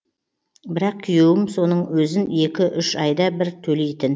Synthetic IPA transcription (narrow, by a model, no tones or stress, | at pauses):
bɪɾɑq̚kʲʰʏjewɪmso̞nəɴwɵzɪne̞kʲɪʔʏʃɑjd̪ɑbɪɾt̪ʰɵle̞jt̪ɪn